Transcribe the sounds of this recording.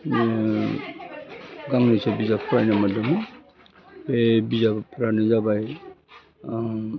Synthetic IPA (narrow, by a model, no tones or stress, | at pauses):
ɡaŋnisɔbizapʰɾajnamadama | bebizabpʰɾanɯzabaj